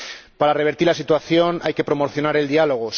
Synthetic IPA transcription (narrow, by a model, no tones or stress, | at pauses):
paɾare̞β̞e̞ɾt̪iɾlasit̪waθjo̞na̰jke̞pɾo̞mo̞ɾθjo̞naɾe̞ld̪ialo̞ɣ̞os